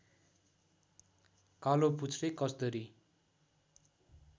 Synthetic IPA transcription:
kaloput͡sʰrekʌsd̪ʌɾi

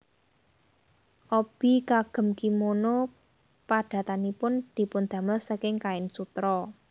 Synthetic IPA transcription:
ʔɔb̥i̤kaɡ̥ə̤mkimono | paɖ̪̥ä̤t̪anipʊnd̪̥i̤pʊnd̪̥a̤məlsəkɪŋkaɪnsut̪ɾɔ

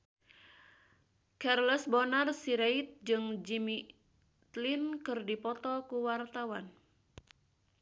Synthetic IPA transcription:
karlɛsbɔnarsiɾait̪̚d͡ʒɨŋd͡ʒimi | t̪linkɨrdipɔt̪ɔkuwart̪awan

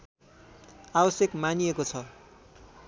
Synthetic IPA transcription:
abʌsjekmanijekot͡sʰʌ

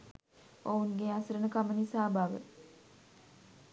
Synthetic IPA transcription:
ounɡeasəɾənəkamənisaːbʱaʋə̰

